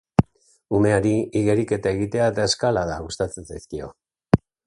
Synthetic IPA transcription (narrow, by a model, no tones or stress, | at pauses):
ume̞aɾiiɣe̞ɾike̞t̪ae̞ɣit̪e̞aet̪ae̞skalaðaɣust̪at͡set͡sajskio̞̰